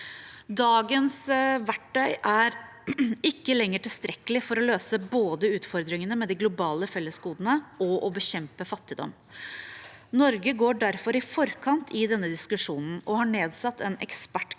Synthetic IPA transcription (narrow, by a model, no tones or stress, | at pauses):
d̪ɑːɡənsʋæʈɖœʏʔæɾ | ɪkːəlɛŋːəʈɪlst̪ɾɛkːəlɪfɔɾɔløːsəboːd̪əʉːt̪fɔɾd̪ɾɪŋənəmɛd̪ɪɡlʊbɑːləfɛlːəsɡuːd̪ənəʔɔʔɔbəçɛmpəfɑt̪ːɪd̪ɔ̰mː | nɔɾɡəɡoːɖæɾfɔɾɪfɔɾkʰɑnt̪ʰɪd̪ɛnːəd̪ɪskʉʂuːnn̩ɔhɑɳeːd̪sɑt̪ːɛnɛ̰kspæʈ